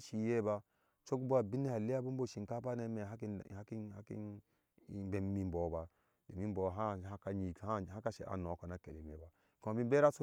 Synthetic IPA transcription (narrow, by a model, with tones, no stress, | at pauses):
ʃi˨je˦ba˦ | t͡ʃo˦kbo˦a˨bi˦ni˦ha˨li˦ja˦bu˦mbo˦˨ʃi˨nka˦pa˦na˦me˨a˦i˦˨˦ki˦a˦kḭ˦˨ | be˨m˦mi˦m˦bo˨ba˨ | do˨mi˦m˦bo˨ɦa˦a˦ka˨ɲi˨a˦ha˦ka˦ʃḛ˨ʔa̰˨no˨ko˨na˦ke˨le˨me˨ba˨ | ko˨ma˨bi˦m˦be˦ɾa˦so˦